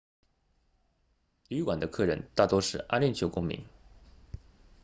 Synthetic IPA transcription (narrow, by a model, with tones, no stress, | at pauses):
y˧˥kwa˨˩nd̪ə˦kʰɤ˥˩ɻə̰˧˥nt̪a˥˩t̪wɔ˥ʂɻ̩˥˩ʔa˥nlji˥˩nt͡ɕʰjo˧˥ʊkʊ˥ŋmḭ˧˥ŋ